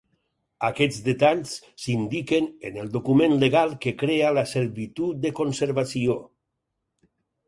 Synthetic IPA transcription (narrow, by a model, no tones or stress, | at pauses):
akɛd͡zd̪et̪aʎs | sind̪ikenḛnelˠd̪okumẽnleɣalˠkekɾealaseɾβit̪ut̪̚d̪əkonseɾβasio